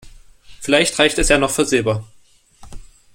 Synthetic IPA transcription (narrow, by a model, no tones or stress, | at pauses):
fɪlaɪçtʁ̥aɪçtɛsjaːnɔχfyːɐzeːbaːɐ